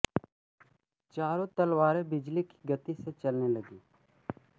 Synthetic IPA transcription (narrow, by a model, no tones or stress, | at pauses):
t͡ʃaːɾõt̪əlwaːɾebɪd͡ʒliki̥ɡət̪iset͡ʃəlneləɡiː